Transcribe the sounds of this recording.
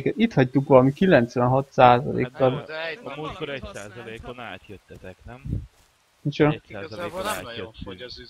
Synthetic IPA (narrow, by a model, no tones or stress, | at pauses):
kɛt̪it̪hɒct̪ukʋɒlɒmikilɛnt̪sʋɛnɦɒt̪saːzɒ̰lḛːkːɒl | int͡ʃon